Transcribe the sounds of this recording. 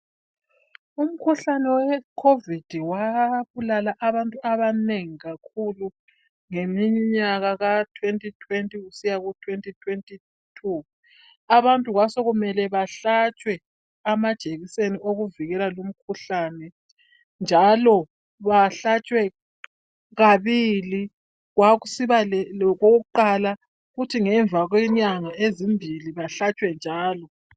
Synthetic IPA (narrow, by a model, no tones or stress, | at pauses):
um̩kʰuɬanɛwɛkʰovid̥ʱiwaβulalaʔaβantʼuʔaβaneŋiɣakʰulu | ŋemiɲiɲaɣaɣatʰwentʼitʰwentʼiɣusijaɣutʰwentʼitʰwentʼi | tʰu | aβantʼuɣwasɔɣumɛlɛβaɬat͡ʃʼwɛ | amad̥ʒ̥ʱeɣiseniʔoɣuviɣɛlalom̩kʰuɬanɛ | nd͡ʒʱalɔ | βaɬat͡ʃʼwɛ | ɣaβili | ɣwaɣusiβaɣoɣuǃala | ɣutʰiŋɛɱvʱaɣwɛɲaŋaezimbʱiliβaɬat͡ʃʼwɛnd͡ʒʱaːlɔ